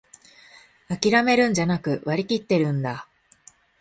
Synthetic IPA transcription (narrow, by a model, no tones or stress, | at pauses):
akʲiɾame̞ɾɯ̟̃ɲ̟d͡ʑanakɯ̟βaɾʲikʲit̪ːe̞ɾɯ̟̃nd̪a